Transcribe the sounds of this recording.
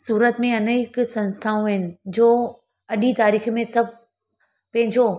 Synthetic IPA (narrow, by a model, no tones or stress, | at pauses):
suːɾət̪mẽɐnəɪksɐ̃nst̪ʰaːũɪnɪ̆d͡ʑoː | ɐɗit̪aːɾiːxmẽsɐb̚ʱ | pɐ̃ɦɪ̃ɲd͡ʑo